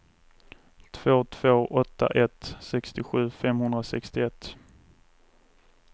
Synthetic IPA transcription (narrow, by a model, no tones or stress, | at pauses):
t̪ʰv̥oːt̪ʰv̥oːʔɔt̪ːa̰ʔɛt̪sɛkst̪ɪɧʉ̟ːfɛmhɵnd̪ɾasɛkst̪ɪɛt̪ː